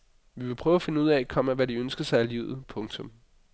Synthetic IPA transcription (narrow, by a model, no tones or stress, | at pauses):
ʋiʋe̝pʰʁœːʊæfe̝nəuð̰ˠɛækʰɒ̽m̰æʋæɾiønsɡ̥ɐsɑ̈ɪæliːʊð̩ˠpʰɔ̽ŋt͡sʰɔ̽m